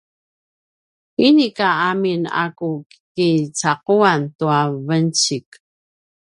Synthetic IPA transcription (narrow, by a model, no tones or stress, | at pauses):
inikaamina̰kukkit͡saquantuavənt͡ɕik